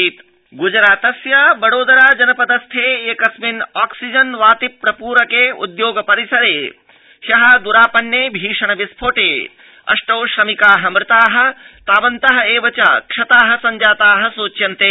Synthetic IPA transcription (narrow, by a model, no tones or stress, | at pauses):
iːt̪ | ɡud͡ʒɾaːt̪ɐsjabɐɽoːd̪ɐɾaːd͡ʒɐnɐpɐd̪ɐst̪ʰeːeːkɐsminaːksid͡ʒɐnʋaːt̪ipːɾɐpuːɾɐkeːṵd̪joːɡɐpɐɾisɐɾeː | hjɐɦɐd̪uɾaːpɐnːjeːbʱiːʂɐɳɐʋispʰoːʈeː | ɐ̰ʂʈɐwʃɾɐmikaːɦɐmɾɪt̪aːɦɐ̆t̪aːʋɐnt̪ɐɦɐeːʋɐt͡ʃɐkʂɐt̪aːɦɐ̆sɐɲd͡ʒaːt̪aːɦɐ̆suːt͡ʃjɐnt̪eː